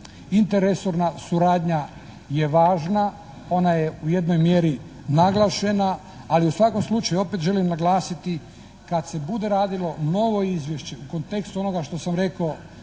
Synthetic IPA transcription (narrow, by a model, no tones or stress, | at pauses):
int̪eɾesoɾnasuɾaːd̪ɲa | jeʋaːʒna | o̞najeuje̞d̪no̞jmjeɾi | naɡlˠaːʃe̞naː | liusʋako̞mslˠut͡ʃajuo̞pet̪ʒe̞limnaɡlaːsit̪i | kad̪se̞bud̪e̞ɾaːd̪ilo̞mno̞ʋo̞izʋjeʃt͡ɕe̞uko̞nt̪e̞kst̪uo̞no̞ɡaʃt̪o̞samɾe̞ko